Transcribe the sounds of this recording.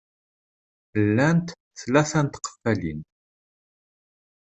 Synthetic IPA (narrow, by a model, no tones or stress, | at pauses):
əlːænt̪ | θlæθænt̪qːə̥fːælin